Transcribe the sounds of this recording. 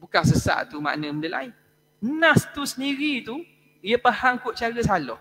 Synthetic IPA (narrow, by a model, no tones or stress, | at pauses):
bukaŋsəsa̰ʔt̪uma̰ʔnəməndəla̰ɪn | nãst̪usəndiɾit̪u | ijəpahaŋkʊʔt͡ʃaɾəsalɔh